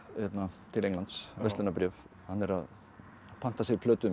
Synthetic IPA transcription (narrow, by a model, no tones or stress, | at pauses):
hɛt̪nat̪ʰɪlejŋnlant̪svɛst̪ɛnapɾɛːf | hanːɛɾa̰ð | pʰan̥t̪asɪɾpʰlœːt̪ʏ